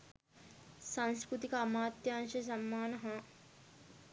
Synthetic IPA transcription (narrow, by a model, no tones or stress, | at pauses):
sãnskɾut̪ikaːmaːt̪jɐɐnʃɐs̬ɐmːaːnɐɦɐ̃